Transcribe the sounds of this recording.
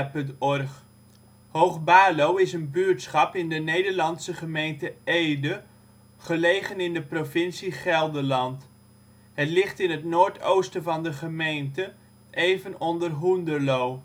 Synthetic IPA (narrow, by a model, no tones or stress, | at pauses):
pɵntɔrχ | howχbaːlowɪsənbyɹtsχɑpɪndənejdəɹlɑnsəχəmejntəejdə | χəlejχənɪndəprofɪnsiχɛlˠdəlɑnt | ɦətlɪχtɪnɦətnoːɹtowstəvɑndəχəmejntə | ʔejvənɔndərɦundəlow